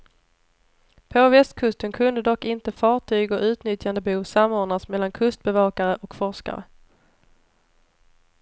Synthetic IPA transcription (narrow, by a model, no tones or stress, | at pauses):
pʰɔvɛst̪kʰɵst̪ənkʰɵnd̪əd̪ɔkːɪnt̪əfɑːʈʰyːɡɔʔʉ̟ːt̪nʏt̪jand̪əbuːsamːʊːɳasmɛlːankʰɵst̪̚bɛvɑːkaɾəʔɔkfɔʂka̰ɾə̰